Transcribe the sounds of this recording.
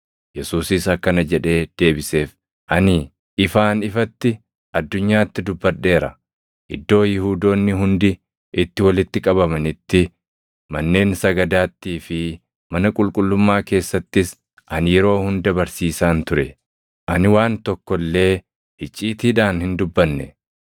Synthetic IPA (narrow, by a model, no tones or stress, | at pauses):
jɛsuːsɪsɐkːɐnɐd͡ʒɛᶑe̞ːd̪̥e̞ːbɪse̞ːf | ʔɐnɪ | ʔɪfaːnɪfɐt̪ːɪ | ʔɐd̪ːʊɲːaːt̪ːɪd̪ʊbːɐᶑːe̞ːɾɐ | ʔɪd̪ːo̞ːjɪɦuːd̪o̞ːnːɪɦʊnd̪ɪ | ʔɪt̪ːɪwɐlɪt̪ːɪkʼɐbɐmɐnɪt̪ːɪ | mɐnːe̞ːnsɐɡɐd̪aːt̪ːiːfɪ | mɐnɐkʼʊlkʼʊlːʊmːaːke̞ːsːɐt̪ːɪs | ʔɐnjɛɾo̞ːhʊnd̪ɐbɐɾsiːsaːnt̪ʊɾɛ | ʔɐnɪwaːnt̪ɔkːɔlːe̞ː | hɪt͡ʃʼːiːt̪iːᶑaːnhɪnd̪ʊbːɐnːɛ̰